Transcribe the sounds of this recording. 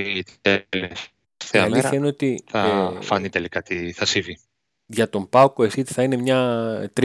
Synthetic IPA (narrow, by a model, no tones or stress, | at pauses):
t̪ele | θeɐɐliθçɐineo̞t̪iθɐfɐnit̪elikɐt̪iθɐsivi | ʝɐt̪o̞mpɐukoesit̪i̥θɐine̞mɲɐt̪ɾ